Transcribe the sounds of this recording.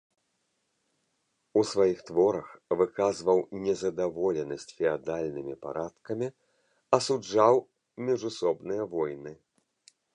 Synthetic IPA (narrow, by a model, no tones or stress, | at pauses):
usvajixt̪vɔɾɐxvɨkazvɐwnʲɛzɐd̪avɔlʲɛnɐsʲt͡sʲfʲɛad̪alʲnɨmʲipa̰ɾat̪kɐmʲi | ɐsud͡ʐaw | mʲiʐusɔbnɨjɐvɔjnɨ